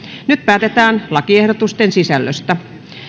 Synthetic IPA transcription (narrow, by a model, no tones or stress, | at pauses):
nyt̪̚pæːt̪et̪æːnlɑkiehɾot̪ust̪ensisælːø̰st̪æ